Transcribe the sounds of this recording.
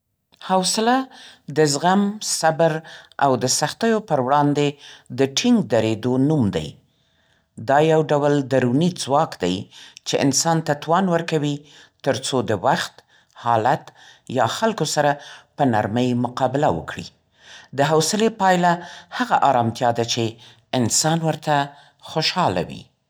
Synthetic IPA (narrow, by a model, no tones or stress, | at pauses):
hawsɪlad̪əzɣamsabəɾa̰wd̪əsaxt̪əjopəɾwɽɑnd̪ed̪əʈʰɪŋɡ̚d̪aɾed̪onumd̪a̰j | d̪ɑjawɖawəld̪aɾunid͡zwɑkd̪a̰jt͡ʃeʔɪ̰nsɑnt̪at̪wɑnwəɾkawit̪əɾt͡sod̪əwaxt̪ | hɑlat̪jɑxalkosaɾapənaɾməjmʊqɑbɪlawə̰kɽḭ | d̪əɦawsɪlepɑjlahaɣaʔɑɾɑmt̪jɑd̪at͡ʃe | ɪnsɑnwəɾt̪a | xoʃɑla̰wḭ